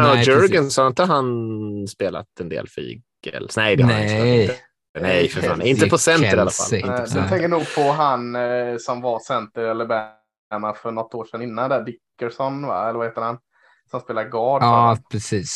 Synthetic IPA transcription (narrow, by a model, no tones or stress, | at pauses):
ɛnjœɾɡənsɔhaɾɪnt̪əɦanspeːla̰t̪ɛnd̪ḛːlfḭ̥ː | lnɛɪd̪ɛ | nɛjfa̰nɪnt̪əpʰɔsɛnt̪əɾalafa̰lɛd̪ɛt̪ʰɛŋkənuːɡ̚pʰɔɦansɔmvaɾsɛnt̪əɾɛlːəbɛ | nafœɳɔt̪ːoːʂɛnːɪnːand̪æd̪ɪkːəʂɔnva̰ɛlːəvaheːt̪əɾhan | sɔmspeːlaɡɑːɖpʰɾɛsiːs